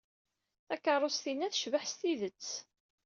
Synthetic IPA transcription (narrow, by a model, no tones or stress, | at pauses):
θækːərˤːost̪inːæθʃvəħst̪iðət͡sː